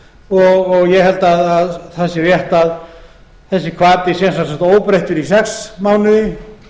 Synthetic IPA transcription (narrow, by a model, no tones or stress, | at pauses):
ɔɣɔɣjɛhɛlt̪aðaðθasɪɾjɛht̪að | θɛsːɪkʰvaːt̪ɪsjɛnsakt̪saht̪oːwpɾejht̪ɪɾisɛksmawnʏðɪ